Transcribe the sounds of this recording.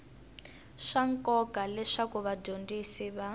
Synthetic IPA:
ʂaŋkʼɔkalɛʂakuβadʱondisiβa

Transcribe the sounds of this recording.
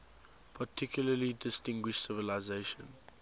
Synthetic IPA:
pʰatʰɪkʰjʊləlidɪstɪ̃ŋɡwɪʃsɪvəlaɪzeɪʃə̰̃n

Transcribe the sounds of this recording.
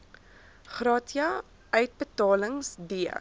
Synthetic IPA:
χrɑːtiɐ | œɥt̚bətɑːləŋsdiə̰

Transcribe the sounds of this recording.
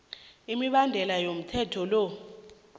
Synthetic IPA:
imiɓandʱɛlajom̩tʰɛtʰɔlɔ

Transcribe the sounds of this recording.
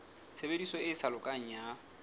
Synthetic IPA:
sʰebedisɔɪsalʊkʼaŋ̩ja

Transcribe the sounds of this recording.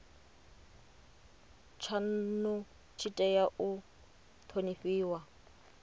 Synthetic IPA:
t͡ʃʰan̩nʊ | t͡ʃʰitʼɛjaʔʊ | t̪ʰonifiːwa

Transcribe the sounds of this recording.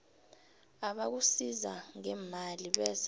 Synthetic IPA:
aɓak̬usizaŋɛmaliɓɛs

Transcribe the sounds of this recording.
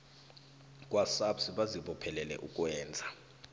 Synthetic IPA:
k̬ʼwasapsiɓaziɓɔpʰɛlɛlɛ̰ʔukʼwɛːnd͡zʱa

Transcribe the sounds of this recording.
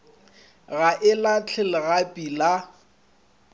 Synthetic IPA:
ɣaʔɪlat͡ɬʰɪlɪɣapʼila

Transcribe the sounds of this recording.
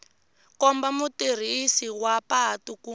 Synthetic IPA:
kɔmbamutir̤isiwapatuku

